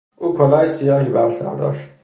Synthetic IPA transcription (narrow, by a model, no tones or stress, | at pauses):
ʔuːkʰolɒːnsijɒːhiːbæɾsæ̰ɾd̪ɒ̰ːʃt̪